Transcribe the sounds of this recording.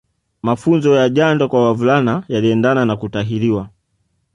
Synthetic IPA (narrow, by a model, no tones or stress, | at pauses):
mafunzɔjaʄandɔkwawavulanajaliɛndananakutaɦiliwa